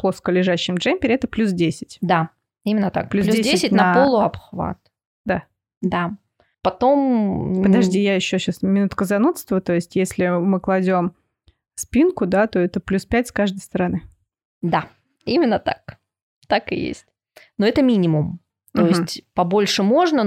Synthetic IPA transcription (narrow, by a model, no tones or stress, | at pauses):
plˠo̞skəlʲɪʐaɕːɪmʐɛmʲpʲɪɾʲɪɛt̪əplʲus̬dʲesʲɪ̥tʲd̪a | imʲɪnːət̪a̰kplʲuslʲudʲsedʲseɪsʲɪtʲnʲnɐpolˠʊɐpxva̰t̪ | d̪a | d̪a | pɐt̪o̞mpəd̪ɐʐdʲijajɪɕːoɕasmʲɪnut̪kəzɐnut̪st̪vət̪o̞ɪsʲtʲjesʲlʲɪmɨklˠɐdʲo̞m | spʲinkʊd̪at̪o̞ɛt̪əplʲuspʲæt̚ʲskaʐd̪əjst̪əɾɐnɨ | d̪a | imʲɪnːət̪a̰k | t̪akɨ̰jḛsʲtʲ | noɛt̪əmʲinʲɪmʊm | t̪oɪsʲtʲpɐbo̞lʲʂɨmo̞ʐnə